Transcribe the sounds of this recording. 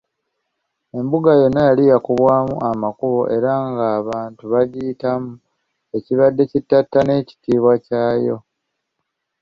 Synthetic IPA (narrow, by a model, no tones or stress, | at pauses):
e̞mbuɡajo̞nːajalijakuβwaːmṵʔamakuβo̞ʔe̞ɾaŋɡaːβaːntuβaɟitamu | e̞ciβadːe̞citːatːane̞ːci̥tiːβwacaːjo̞